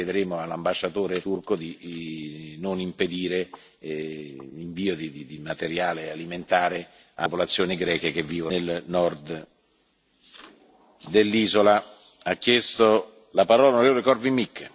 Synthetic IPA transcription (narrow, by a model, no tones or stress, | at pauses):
ed̪eɾeːmoalːambaʃːat̪oːɾet̪urkod̪i | nonimped̪iːɾe | iɱviːod̪id̪id̪imat̪eɾjaːlealiment̪aːɾe | apolat̪sːjoːniɡɾɛːkek̟evːiːvolnɔrd̪ | d̪elːiːzola | akːjɛst̪o | lapaɾɔːlaonoɾeːvolekɔrvimikː